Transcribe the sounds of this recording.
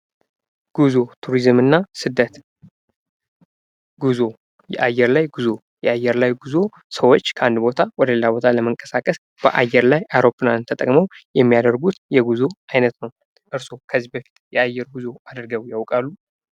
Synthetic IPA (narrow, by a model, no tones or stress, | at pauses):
ɡ̥uzo̞t̪ʰuɾizmɨnːasɨd̪ːət̪ | ɡuzo̞ | jɛ̰ʔajːɛɾlajɡuzo | jɛajːɛɾlajɡuzo̞ | səwo̞t͡ʃːkʰəand̪bo̞t̪ʰawɔd̪əlelabo̞t̪ʰaləməŋkʼəsakʼəs | b̥əʔajːɛɾlajawɾo̞pːɨlant̪ʰət̪ʼə̰kʼməwjɛmːijad̪əɾɡut̪jɛɡuzo̞ajnət̪nəw | ʔɨɾso̞kʰəzːibəfi̥t̪jɛajːɛɾɡuzo̞ad̪ɨɾɡəwjawkʼalːu